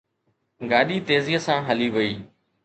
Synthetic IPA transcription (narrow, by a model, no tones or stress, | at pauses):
ɡaːɗiːt̪eːziːəsãːɦəliːʋəiː